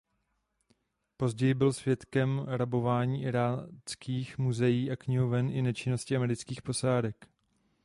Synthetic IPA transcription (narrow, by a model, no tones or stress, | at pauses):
po̞zɟɛjɪbɪlsvjɛt̪kɛmɾabo̞vaːɲiːʔɪɾaːt͡skʰiːxmuzɛjiːʔakɲɪɦovɛnʔɪnɛt͡ʃɪno̞scɪamɛɾɪt͡skiːxpo̞saːdɛk